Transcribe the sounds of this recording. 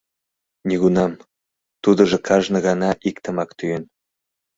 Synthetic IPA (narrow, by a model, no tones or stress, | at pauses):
nʲiɣunɑm | t̪ud̪ə̆ʒɤ̆kʰɑʒnə̆ɣɑnɑʔikt̪ə̆mɑkt̪yjen